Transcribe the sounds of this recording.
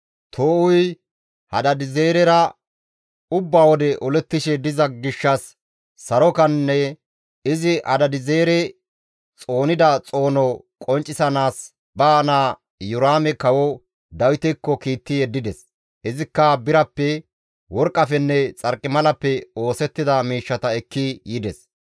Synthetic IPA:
t̪ʰoːʔʊj | hɐd̪ɐd̪ɪze̞ːɾɛɾɐ | ʊbːaːwɔd̪ɛʔɔlɛt̪ːɪʃɛd̪ɪzɐɡɪʃːɐsː | ɐɾɔkɐnːɛ | ɪzɪʔɐd̪ɐd̪ɪze̞ːɾɛ | t͡sʼo̞ːnɪd̪ɐt͡sʼo̞ːnɔ | kʼɔnt͡ʃʼːɪsɐnaːs | bɐːnaː | jʊɾaːmɛkɐwɔ | d̪ɐwɪt̪ɛkːɔkiːt̪ːɪjɛd̪ːɪd̪ɛs | ʔɪzɪkːɐbɪɾɐpːɛ | wɔɾkʼːɐfɛnːɛt͡sʼɐɾkʼːɪmɐlɐpːɛo̞ːsɛt̪ːɪd̪ɐmiːʃːɐt̪ɐɛkːɪjɪd̪ɛs

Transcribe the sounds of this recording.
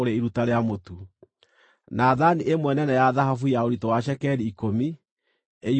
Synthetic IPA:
oɾeiɾutaɾeamotu | naðaniʔemwɛnɛnɛjaðaɦafujaoɾitɔwaʃ̬ɛkɛɾiːkomi | e

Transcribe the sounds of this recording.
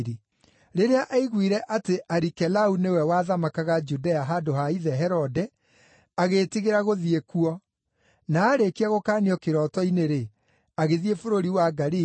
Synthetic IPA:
ɾi | ɾeɾeaʔaiɣwiɾɛʔateʔaɾikɛlaunewɛwaðamakaɣad͡ʒudɛaɦadoɦaiðɛɦɛɾɔdɛ | aɣetiɣeɾaɣoðiekuɔ | naːɾekiaɣokaːniɔkeɾɔtɔineɾe | aɣeðiefoɾoɾiwaɡaɾi

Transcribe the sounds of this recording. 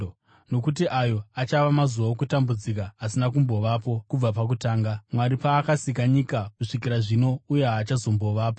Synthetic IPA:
no̞kut̬iʔajo̞at͡ʃaʋamazuwaokutambud͡zikaːsinakumbo̞ʋapo̞kub͡vapak̬utaːŋɡamwaɾipaːkasikaɲikakuʂikiɾaʐino̞uje̞aːt͡ʃazo̞mbo̞ʋaːpo

